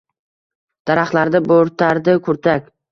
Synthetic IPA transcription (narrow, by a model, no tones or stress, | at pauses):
d̪̥aɾaχlaɾd̪ɪboɾt̪ʰaɾd̪ɪkʰʊɾt̪ʰakʲ